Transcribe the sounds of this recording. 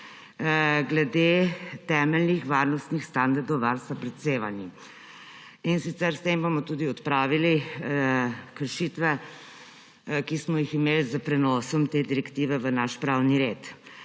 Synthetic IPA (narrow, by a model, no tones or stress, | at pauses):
ɡlɛd̪et̪ɛːmɛlnixʋaɾnɔst̪nixst̪and̪aɾd̪ɔwʋaɾst̪apɾɛt̪seːʋanji | insit̪sɛɾst̪embomɔt̪uːd̪iɔt̪pɾaːʋili | kəɾʃit̪ʋɛ | kismɔjiximeːlzəpɾɛnɔsɔmt̪eːd̪iɾɛkt̪iːʋɛʋənaʃpɾaːwniɾeːt̪